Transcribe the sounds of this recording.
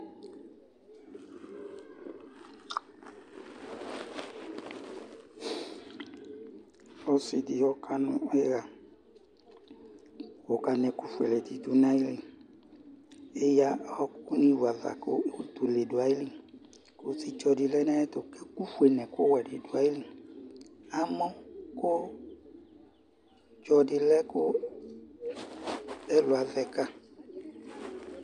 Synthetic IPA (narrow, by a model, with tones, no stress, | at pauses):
ɔ˦sɪ˨di˨hɔ˦kʰa˦nʊ̃˨˦ɛ˦ɣa˨ | o˨ka˨nɛ˨ku˦fwḛ˨lɛ˨t̪i˨t̪u˨nã˦i˦li˦ | ɪ˦ja˦hɔ˦kʊ˦ni˦wa˨ða̰˨kʊ˦o˨tu˨le˨du˨a˨i˦li˦˨ | kʊ˦si˦d͡ʒɔ˨dɪ˨lɛ˦na˦ɛ˦tʊ˨kɛ˦ku˦fu˦e˨nɛ̃˨kʊ˦wɛ˨dɪ˨dʊ˨a˨˦i˦li˦ | a˨mɔ˦kʊ˦ | d͡ʒɔ˨dɪ˨lɛ˦kʊ˦ | ɛ˦lʊ˨a˨ðɛ˨ka˦